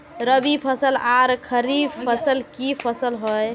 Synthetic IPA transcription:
ɾəbipʰəsəlaɾkʰəɾipʰəsəlkipʰəsəlɦoj

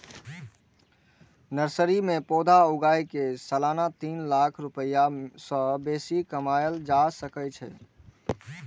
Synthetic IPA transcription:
nəɾsəɾimẽpoːd̪ʱaʊɡajkesəlaːnat̪iːnlakʰɾʊpəjasə̃beːsikəmaːjəld͡ʒasəkət͡ʃʰɛ

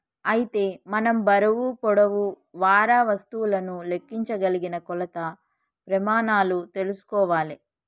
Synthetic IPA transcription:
ɐjit̪e̞ːmɐnɐmbɐɾɐʋupɔɽɐʋu | ʋaːɾaːʋɐst̪ulɐnule̞kːiɲt͡ʃɐɡɐliɡinɐkɔlɐt̪ɐ | pɾɐmaːnaːlut̪e̞lusu̥kɔːʋaːli

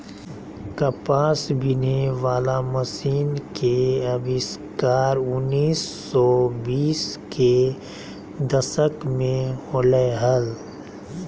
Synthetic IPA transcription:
kɐpaːsbʱineʋaːlamɐsiːnkeɐbɪskaːɾʊnːiːsːɔbiːske | d̪ɐsəkmẽholəɦəl

